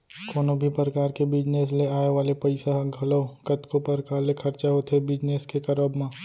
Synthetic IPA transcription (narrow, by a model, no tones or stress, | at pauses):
koːnobʱipɾəkaːɾkebɪd͡ʒneːs̬leaːeʋaːlepɐɪsaɦɡʱɐlokɐt̪kopɐɾkaːlekʰɐɾt͡ʃaɦot̪ʰebɪd͡ʒneːskekɐɾəbmãː